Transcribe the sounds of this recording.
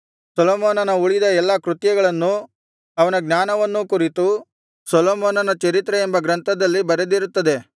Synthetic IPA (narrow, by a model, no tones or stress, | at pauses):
sɔloːmoːnɐnɐuɭid̪ɐɛlːɐkɾut̪jɐɡɐɭɐnːu | ɐʋɐnɐɡnaːnɐʋɐnːukuɾit̪u | sɔloːmoːnɐnɐt͡ʃɐɾit̪ɾeembɐɡɾɐnt̪ɐd̪ɐlːibɐɾed̪iɾut̪ːɐd̪e̞